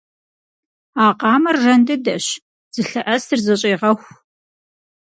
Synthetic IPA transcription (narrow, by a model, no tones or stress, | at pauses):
aːqɑːmɐrːɐndɨdɐɕ | z̥ɨɬɨʔɐstʰɨrzɐɕʼeːʁɐxʷ